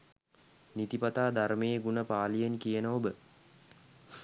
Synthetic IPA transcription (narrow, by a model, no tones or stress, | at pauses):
nit̪ipat̪aːd̪armejeɡunəpaːlijenkijənəobə